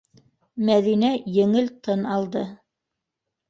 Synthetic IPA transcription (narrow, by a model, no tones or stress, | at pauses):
mæðinæjɘ̆ŋɘlt̪ɤnɑlˠd̪ɤ